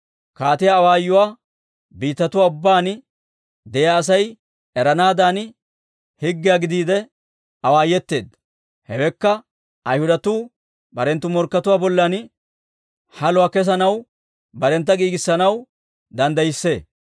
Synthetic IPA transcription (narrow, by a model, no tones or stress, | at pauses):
kaːt̪ɪjaːwaːjːʊwaː | biːt̪ːɐt̪ʊwaːʊbːaːn | d̪ɛjaːs̬ɐj | ɛɾɐnaːd̪aːn | hɪɡːɪjaɡɪd̪iːd̪ɛ | ɐwaːjɛt̪ːe̞̰ːd̪ | hɛwɛkːɐ | ɐjhʊd̪ɐt̪uː | bɐɾɛnt̪ːʊmɔɾkːɐt̪ʊwaːbɔlːɐn | hɐlʊwaːkɛs̬ɐnɐw | bɐɾɛnt̪ːɐɡiːɡɪsːɐnɐw | d̪ɐnd̪ɐjɪsːe̞̰ː